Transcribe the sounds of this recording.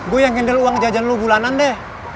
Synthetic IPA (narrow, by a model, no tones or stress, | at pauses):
ɡojaŋkɛndɛluwaŋd͡ʒad͡ʒanlobulanandɛh